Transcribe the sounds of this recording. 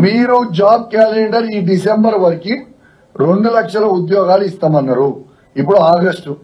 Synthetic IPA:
miːɾud͡ʒaːb̚kaːleɳɖɐɾiːɖisembɐɾʋɐɾiki | ɾe̞ɳɖulɐkʂɐlɐud̪jɔːɡaːluist̪aːmɐnːɐɾu | ipːuɽuaːɡɐsʈu

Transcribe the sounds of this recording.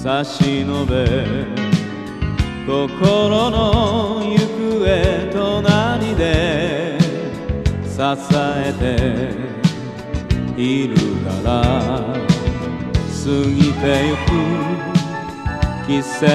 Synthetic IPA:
saɕinobe | kokoɾonojɯkɯet̪onaɾid̪e | sasaet̪e | iɾɯka̰ɾa | sɨŋit̪ejukɯ | kʲise

